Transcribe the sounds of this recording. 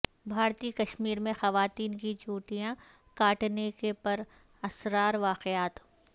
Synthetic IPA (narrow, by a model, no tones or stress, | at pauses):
bʱaːɾt̪ikɐʃmiːɾmẽxɐʋaːt̪iːnkid͡ʒuːʈijã | kaːʈnekepɐɾ | ɐsɾaːɾʋaːqɪaːt̪